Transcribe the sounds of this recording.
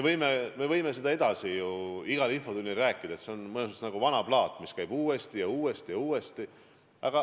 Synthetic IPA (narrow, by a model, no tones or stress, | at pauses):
evɤjmeme̞vɤ̞jme̞s̬e̞d̪ɑe̞d̪̥ɑsijuiɡ̥ɑlinfo̞d̪unʲːilræːkːˑid̪̥ɑe̞t̪se̞o̞nmɯnesmt̪st̪nɑɡ̥uvɑnɑb̥lɑːt̪ːˑmiskæjb̥uːe̞st̪ijɑuːe̞st̪ijɑuːest̪i | ɑ̰ɡ̥ɑ